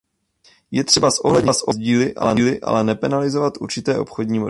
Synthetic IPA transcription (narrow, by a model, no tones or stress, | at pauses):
jɛt̪r̥ɛbasʔo̞ɦlɛdɲsʔo̞zɟiːlɪʔa̰lɛlɪʔa̰lɛnɛpɛnalɪzo̞vat̪ʔuɾt͡ʃɪt̪ɛːʔo̞pxo̞dɲiːmo